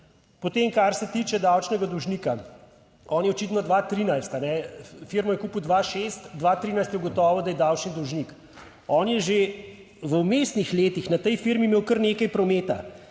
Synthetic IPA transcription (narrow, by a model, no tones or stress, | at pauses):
pɔt̪eːmkaɾsɛt̪iːt͡ʃɛd̪awt͡ʃnɛɡad̪ɔwʒnika | ɔːnjɛɔt͡ʃiːt̪nɔd̪ʋaːt̪ɾiːnajst̪anɛfiɾmɔjɛkuːpwd̪ʋaːʃest̪d̪ʋaːt̪ɾiːnajst̪jɛɡɔt̪ɔːʋɔd̪ajɛd̪awt͡ʃnid̪ɔwʒnik | ɔːnjɛʒe | ʋəwmeːst̪nixleːt̪ixnat̪ɛjfiɾmimeːwkəɾneːkɐjpɾɔmeːt̪a̰